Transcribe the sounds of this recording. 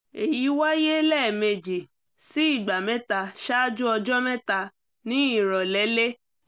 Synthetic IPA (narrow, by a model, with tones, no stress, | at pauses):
e˨ji˨˦wa˦je˦lɛ˦˨me˧d͡ʒi˨ | si˨˦i˦˨ɡ͡ba˨mɛ̃˨˦ta˧ʃa˦d͡ʒu˦ɔ˧d͡ʒɔ˦mɛ̃˦ta˧ | nĩ˦i˦˨ɾɔ˨lɛ˨˦le˦